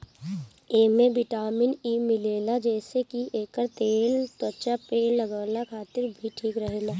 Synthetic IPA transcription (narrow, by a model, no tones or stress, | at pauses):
eːmẽʋɪʈaːmɪniːmɪleːlad͡ʒɛːsekieːkəɾt̪eːlt̪wət͡ʃapeːlləɡaːlakʰaːt̪ɪɾbʱiʈʰiːkɾəɦeːlaː